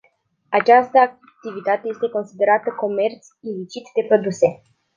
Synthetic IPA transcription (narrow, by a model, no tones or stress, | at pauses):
at͡ʃast̪əak̚ | t̪ivit̪at̪eje̞st̪eko̞nsid̪e̞ɾat̪əko̞me̞rt̪sʲilit͡ʃit̪d̪e̞pɾo̞d̪use̞